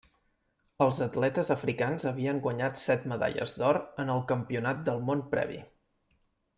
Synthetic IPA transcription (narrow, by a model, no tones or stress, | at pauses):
əlˠzət̪lɛt̪əzəfɾikanzəβiəŋɡwəɲat̪sɛt̪məða̰ʎə̰zd̪ɔɾənəlˠkəmpiunat̪̚d̪əlˠmonpɾɛ̰βḭ